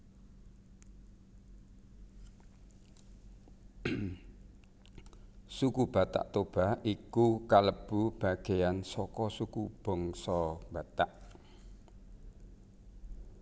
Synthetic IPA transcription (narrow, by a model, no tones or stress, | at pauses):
sukub̥a̤t̪a̰ʔt̪ob̥a̤hikukaləb̥ub̥a̤ɡ̥e̤jansɔkɔsukub̥ɔ̤ŋsɔb̥at̪aʔ